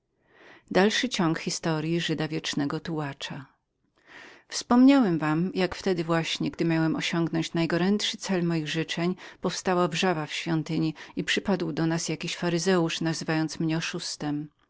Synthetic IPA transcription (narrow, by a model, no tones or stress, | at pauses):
d̪alʂɘt͡ɕɔŋkxʲist̪ɔɾʲjiʐɘd̪avʲjɛt͡ʂnɛɡɔt̪uwat͡ʂa | fspɔmɲawɛmvamjakft̪ɛd̪ɘvwaɕɲɛɡd̪ɘmʲjawɛmɔɕɔŋɡnɔɲt͡ɕnajɡɔɾɛntʂɘt̪sɛlmɔjiɣʐɘt͡ʂɛɲpɔfst̪awavʐavafɕfʲjɔnt̪ɘɲiipʂɘpad̪wd̪ɔnasjakʲiɕfaɾɘzɛuʂnazɘvajɔnt̪smɲɛɔʂust̪ɛm